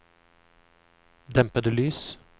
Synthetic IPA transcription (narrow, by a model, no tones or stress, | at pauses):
d̪ɛmpəd̪əlyːs